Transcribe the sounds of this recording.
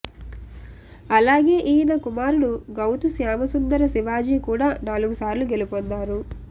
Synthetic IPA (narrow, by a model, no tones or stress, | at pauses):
ɐlaːɡe̞ːʔiːnɐkumaːɾuɽuɡɐwt̪usjaːmɐsund̪ɐɾɐsiʋaːd͡ʒiːkuːɽaːnaːluɡusaːɾluɡe̞lipond̪aːɾu